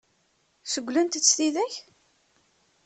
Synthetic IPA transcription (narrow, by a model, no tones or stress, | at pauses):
səɡʷːlænt̪ət͡sːθiðæç